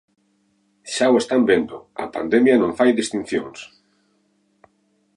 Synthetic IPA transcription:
ʃawest̪ambend̪ʊɐ̰pa̰nd̪emjanõŋfajðist̪ĩn̟θjõŋs

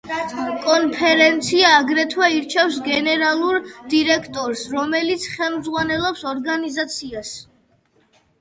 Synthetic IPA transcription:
kʼɔnpʰɛɾɛnt̪sʰiaːɡɾɛt̪ʰwɛiɾt͡ʃʰɛfsɡɛnɛɾalˠuɾd̪iɾɛkʰt̪ʼɔɾsɾɔmɛlit̪sʰχɛlˠmd̪zʁwanɛlˠɔpsɔɾɡanizat̪sʰias

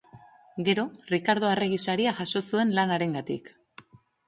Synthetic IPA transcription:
ɡe̞ɾo̞rikaɾð̞o̞ere̞ɣ̞isaɾiaʝaso̞sue̞nlanaɾe̞ŋɡat̪ḭk

